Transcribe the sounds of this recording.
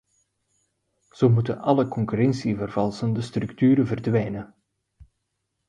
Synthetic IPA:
z̥owmutənɑləkɔŋkyɾɛnsivərv̥ɑlˠsəndəstrʉktyːɾəvərdʋɛjnə

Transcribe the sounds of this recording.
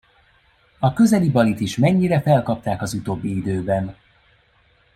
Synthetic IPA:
ɒkø̞zɛlibɒlit̪iʃmɛɲːiɾɛfɛlkɒp̚t̪aːkɒzut̪oːbːiid̪øːbɛn

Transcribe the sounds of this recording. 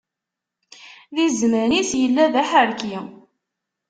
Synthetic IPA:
ðizməɾnisjəlːæðæħəɾki

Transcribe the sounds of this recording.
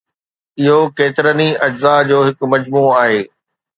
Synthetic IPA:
ɪɦokeːt̪ɪɾəniɐd͡ʑzad͡ʑoːɦɪkmɐd͡ʑmuːaːɦeː

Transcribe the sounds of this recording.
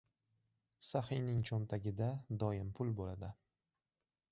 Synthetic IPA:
sahɪjnɪŋt͡ʃʰɒnt̪ʰaɡʲɪd̪ad̪ɒjɪmpʰʊlˠbolad̪ɪ

